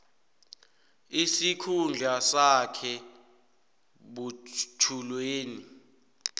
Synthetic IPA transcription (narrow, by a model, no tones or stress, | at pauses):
isikʰund͡ɮʱasakʰɛ | ɓutʰulweːni